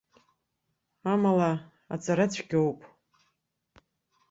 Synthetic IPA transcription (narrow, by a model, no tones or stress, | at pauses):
amala | a̰t͡sʼaɾat͡ɕʷʰɡʲowpʼ